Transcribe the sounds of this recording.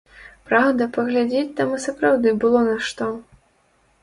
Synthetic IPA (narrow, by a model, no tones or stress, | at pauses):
pɾawd̪ɐpɐɣlʲad͡zʲet͡sʲt̪amɨsɐpɾawd̪ɨbɨlˠɔnɐʂt̪ɔ